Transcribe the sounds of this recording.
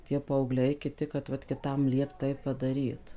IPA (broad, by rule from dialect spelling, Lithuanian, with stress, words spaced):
tʲiɛ pɐɐʊˈɡlʲɛɪ kʲɪˈtʲɪ kɐt ˈʋɐt kʲɪˈtɐm ˈlʲiɛpt ˈtɐɪp pɐdɐˈrʲiːt